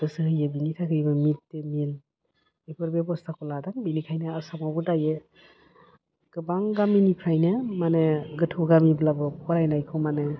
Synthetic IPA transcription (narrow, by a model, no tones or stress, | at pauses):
dɯsɯhɯjebinitʰakʰɯɾibɯmit̚demil | epʰɔɾbebɔstʰakʰɔladaŋbinikʰajnɯasamabɯdaje | ɡ̥ɯbaŋɡaminipʰɾajnɯmaneɡɯtʰoɡamiblabɯpʰɔɾajnajkʰomane